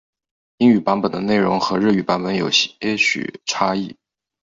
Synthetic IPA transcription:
i˥ŋy˨˩pa˧˥npə˨˩nd̪ə˦ne˥˩ɪɻʊ˧˥ŋxɤ˧˥ɻɤ˥˩y˨˩pa˧˥npə˧˥njo˨˩ʊ˥ɕy̰˨˩ʈ͡ʂʰa˥i˥˩

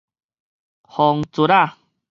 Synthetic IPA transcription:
hɔ˨ŋt͡su˨˧ɾa˥˧˨

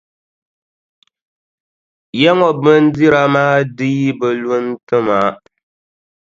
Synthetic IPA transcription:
jɛ˦ŋɔ˨bɨ˦n˦di˦ɾa˨maː˦di˦i˦bɨ˨lu˦n˦tɨ˦ma˨

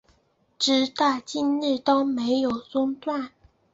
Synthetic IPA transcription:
ʈ͡ʂɻ̩˧˥t̪a˥˩t͡ɕi˥˧nl̩˥˩t̪o˥ʊme˧˥ɪjo˨˩ʊt͡sʊ˥ŋt̪wa˥˩n

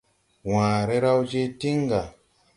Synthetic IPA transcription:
wãː˨ɾe˦ɾa˦wd͡ʒe˦ti˦ŋɡa˨

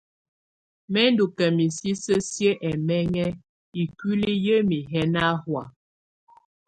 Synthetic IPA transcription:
mɛ˦ndu˨kɛ˨mi˨si˦sə˦sjə˦ʔɛ˨mɛ˦ŋɛ˦ | i˨ki˦li˦jə˦mi˨ɦɛ˦na˦hwa˨

